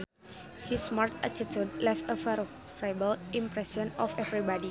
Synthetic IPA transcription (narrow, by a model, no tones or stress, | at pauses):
hismart̪atitʰud̚lɛftəfɛ | fɹabəlĩmpɾɛsə̃nɔfɛvɾibɔdi